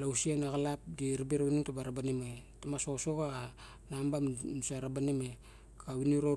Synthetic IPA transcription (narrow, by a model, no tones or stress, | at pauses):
lausianaɣalapdiɾibiɾawiniŋtabaɾabanimetamasosoɣa | nambamsaɾabanime | kʰawiniɾo